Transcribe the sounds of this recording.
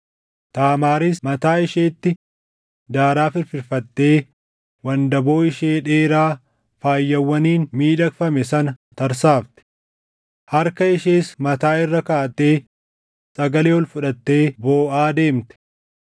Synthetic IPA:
t̪aːmaːɾismɐt̪aːɪʃeːt̪ːɪ | d̪aːɾaːfɪɾfɪɾfɐt̪ːe̞ː | wɐnd̪ɐbo̞ːɪʃe̞ːᶑeːɾaː | faːjːɐwːɐniːnmiːᶑɐkfɐmɛsɐnɐt̪ɐɾsaːft̪ɛ̥ | hɐɾkɐɪʃe̞ːsmɐt̪aːɪrːɐkaːt̪e̞ː | sʼɐɡɐleːɔlfʊᶑɐt̪ːe̞ːboːʔaːd̪e̞ːmt̪ɛ̥

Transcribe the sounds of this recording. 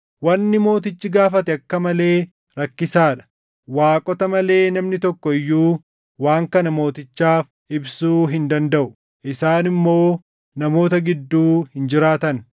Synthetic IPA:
wɐnːɪmo̞ːt̪ɪt͡ʃːɪɡaːfɐt̪ɛɐkːɐmɐle̞ː | ɾɐkːɪsaːᶑɐ̥ | waːkʼɔt̪ɐmɐle̞ːnɐmnɪt̪ɔkːɔɪjːuː | waːŋkɐnɐmo̞ːt̪ɪt͡ʃːaːf | ʔɪbsuːɦɪnd̪ɐnd̪ɐʔʊ | ʔɪsaːnɪmːo̞ː | nɐmo̞ːt̪ɐɡɪd̪ːuːhɪnd͡ʒɪɾaːt̪ɐn

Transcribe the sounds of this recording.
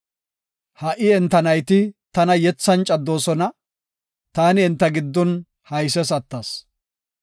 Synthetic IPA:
hɐʔɪɛnt̪ːɐnɐjt̪ɪt̪ɐnɐjɛt͡sːɐnt͡ʃʼɐd̪ːoːsɔnɐ | t̪aːnɪɛnt̪ːɐɡɪd̪ːɔn | hɐjsɛsɐt̪ːɐs

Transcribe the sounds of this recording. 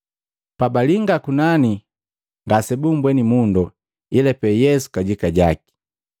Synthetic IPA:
pabaliŋɡakunani | ŋɡasɛbumbwɛnimundɔ | ilɛpɛjɛsu̥kaɟikaɟaki̥

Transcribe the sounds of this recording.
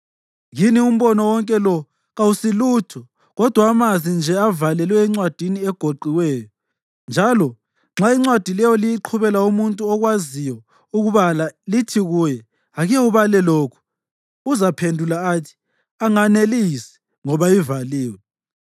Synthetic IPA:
ɣinium̩βɔnɔwɔŋkʼɛlɔ | ɣausilutʰɔ | ɣɔd̥ʱwaːmazʱind͡ʒʱɛavalɛlwɛːŋ͡ǀwad̥ʱiniɛɡ̥ʱoǃiwɛːjɔ | nd͡ʒʱalɔ | ŋ͡ǁaiŋ͡ǀwad̥ʱilɛjɔlijiǃʰuβɛlaumuntʼuɔɣwazijɔ | uɣuβalalitʰiɣujɛ | aɣɛuβalɛloːkʰu̥ | uzapʰendʱulaːtʰi̥ | aŋanelisɛ̥ | ŋɔβaivaliːwɛ

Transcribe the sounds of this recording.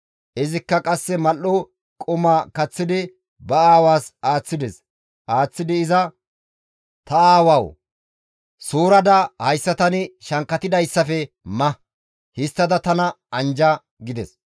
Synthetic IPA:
ʔɪzɪkːɐkʼɐsːɛmɐlːɔ | kʼʊmaːkɐt͡sːɪd̪ɪ | bɐaːwaːsaːt͡sːɪd̪ɛs | ʔaːt͡sːɪd̪ɪɪzɐ | t̪ɐaːwɐw | suːɾɐd̪ɐhɐjsːɐt̪ɐnɪʃɐŋkːɐt̪ɪd̪ɐjsːɐfɛ | mɐ | hɪst̪ːɐd̪ɐt̪ɐnɐ | ɐnd͡ʒɐ | ɡɪd̪ɛs

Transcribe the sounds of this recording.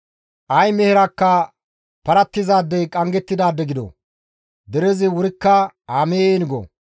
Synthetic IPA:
ʔɐjmɛhɪɾakːɐ | pɐɾɐt̪ːɪzaːd̪ːɛkʼɐŋɡɛt̪ːɪd̪aːd̪ːɛɡɪd̪o̰ | d̪ɛɾɛzɪwʊɾɪkːɐaːmeːnɪɡo̰

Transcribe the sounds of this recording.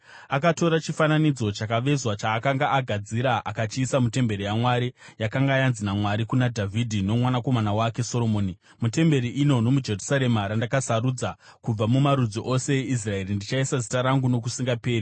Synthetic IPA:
akato̞ɾat͡ʃifananid͡zo̞t͡ʃakaʋe̞zwat͡ʃaːkaŋɡaʔaɡʱad͡ziɾaʔakat͡ʃiːsamute̞mbe̞ɾijamwaɾijakaŋɡaːjanzinamwaɾikunadʱavʱidʱino̞mwanako̞manawake̞so̞lo̞moːni | mute̞mbe̞ɾiʔino̞no̞mud͡ʒe̞rusaɾe̞maɾandakasaɾud͡zakub͡vamumaɾud͡ziʔo̞se̞eis̬rae̞rindit͡ʃaisazitaɾaŋɡuno̞kusiŋɡape̞ːɾi

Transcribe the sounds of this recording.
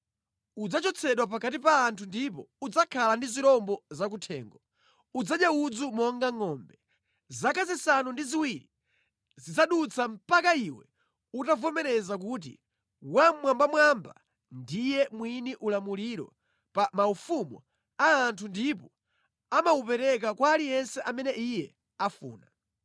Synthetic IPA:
ud͡zat͡ʃɔt͡sʰɛɗwap̬akat̬ipaːntʰundipɔ̰ud͡zakʰalandiziɾɔmbɔzak̬utʰɛ̰ːŋɡɔ | ud͡zaɗjaud͡zumɔŋɡaŋɔːmbɛ | zakazisanundiziwiɾi | zizaɗut͡sam̩pakaiwɛ̰ | utavɔmɛɾɛzak̬uːt̬ḭ | wammwambamwamba̰ | ndijɛmwiniʔulamuliɾɔ̰ | pamaufumɔ̰ | aːntʰundipɔ | amaupɛɾɛkakwaːlijɛnsɛʔamɛnɛijɛ | afṵːna

